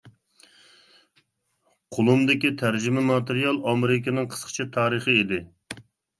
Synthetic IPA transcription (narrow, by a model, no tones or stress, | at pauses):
qʰolˠumd̪ɪkʲit̪ʰæɾd͡ʒimɛmɑt̪eɾijɑlˠɑmeɾɪk̬ʲinɨŋqʰə̥sqʰə̥t͡ʃʰit̪ʰɑːɾəχəed̪ɪ